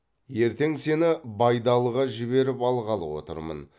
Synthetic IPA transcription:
je̞ɾt̪e̞ŋse̞nɪbɑjd̪ɑlˠəʁɑʒɪβe̞ɾɪpɑlˠʁɑlˠəwo̞̰t̪ə̰ɾmə̰n

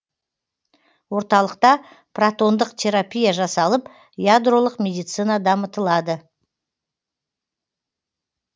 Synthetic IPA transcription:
wo̞ɾt̪ɑlˠəqt̪ɑ | prat̪o̞nd̪əqt̪ʲʰe̞ɾapʲijaʒɑsɑlˠəp | jad̪ro̞lˠəqmʲe̞d̪ijt̪sɨnɑd̪ɑmət̪əlˠɑd̪ə

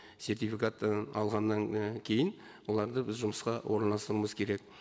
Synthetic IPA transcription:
se̞rt̪ijfikat̪ɑlˠʁɑnːɑŋkʲʰe̞jɪn | wo̞lˠɑɾd̪əbɪzʒʊməsqɑwʔo̞ɾnɑlˠɑst̪əɾuməzkʲʰe̞ɾe̞k̚

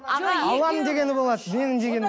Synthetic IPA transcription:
ɑlˠɑmd̪e̞ɡʲe̞nɪbo̞lˠɑd̪əme̞nɪmd̪e̞ɡʲen

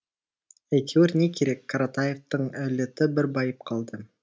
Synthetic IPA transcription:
æjkʲʰeweɾne̞kʲʰe̞ɾe̞kʰːaɾat̪ajeft̪əɴæle̞t̪ɪbɪɾbɑjəp̚qʰɑlˠd̪ə

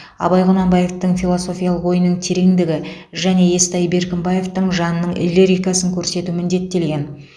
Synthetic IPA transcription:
ɑ̰bɑjʁʊnɑmbɑje̞ft̪əɴfʲilˠo̞so̞fʲijɑlˠəqwo̞jənəɴt̪ʰe̞ɾe̞ŋd̪ɪɡʲɪ | ʒæne̞e̞st̪ɑjbe̞ɾkʲɪmbɑje̞ft̪əɴʒɑnnːəɴɪ̰lʲːeɾijkɑsəŋkʲʰɵɾse̞t̪uɪmɪnd̪e̞t̪ːe̞lɡʲe̞n

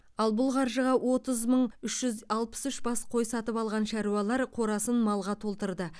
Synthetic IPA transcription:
ɑlˠbʊlˠqʰɑɾʒəʁɑwʔo̞t̪əzməɴʏʃʒ̥ʏzɑlˠpə̥sʏʃbɑsqʰo̞jsɑt̪əpɑlˠʁɑnʃæɾuɑlˠɑɾqʰo̞ɾɑsənmɑlˠʁɑt̪ʰo̞lˠt̪əɾd̪ə

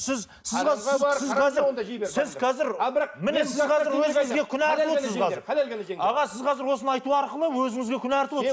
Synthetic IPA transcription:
sɪz | sɪɑzsɪzʰɑzɪɾd̪eɾsɪzqʰɑzɪɾbmɪneɪzqʰɑɪɾwɵzɪɪzɡʲekʲʰʏnæɾt̪əlosəzqʰɑzɪɾɑʁɑsɪzqʰɑzɪɾwo̞sənɑjt̪uɑɾqəlˠəwɵzɪŋɪzɡʲe̞kʲʰʏnæɾt̪əlwo

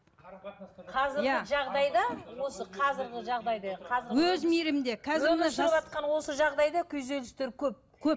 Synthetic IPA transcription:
qʰɑzɪɾjæɪʒɑʁd̪ɑjd̪ɑwo̞səqʰɑzɪɾɡʲɪʒɑʁd̪ɑjd̪ɑqʰɑzɪɾwɵzmiɾɪmd̪e̞kʲʰæzɪnʃəpɑt̪̚qɑnwo̞səʒɑʁd̪ɑjd̪ɑkʲʰɵzd̪e̞lɪst̪eɾkʲʰɵp̚kʲʰɵp̚

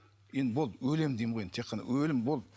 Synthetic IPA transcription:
jend̪bolˠd̪wɵle̞md̪ejmʁojet̪ʰeqʰːɑnɑ̰wɵlɪmbolˠd

